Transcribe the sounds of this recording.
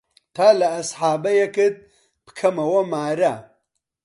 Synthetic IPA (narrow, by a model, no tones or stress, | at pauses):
t̪ʰaːlɐːsħaːbɐjekɨd̪̚ | pɨ̥kʰɐmɐwɐmaːɾa